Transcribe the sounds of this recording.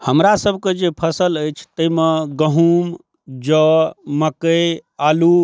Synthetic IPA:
həmɾasəbʱked͡ʒepʰəsələjt͡ʃʰt̪əjmeɡəɦum | d͡ʒəməkəjalu

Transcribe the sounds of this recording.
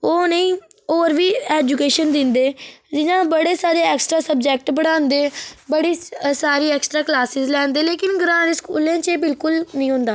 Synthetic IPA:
oːnəĩːoːɾʋiːɛːd͡ʒukeːʃənd̪ɪnd̪eːd͡ʒɪnãːbəɽeːsaːɾeːɛːksʈɾaːsəb̚d͡ʒɛːk̚ʈbəɽãːnd̪eːbəɽiːsaːɾiːɛːksʈɾaːklaːsɪzlɛːnd̪eːleːkɪnɡɾãːɾeskuːlẽːt͡ʃebɪlkʊlnĩːɦʊ̃nd̪aː

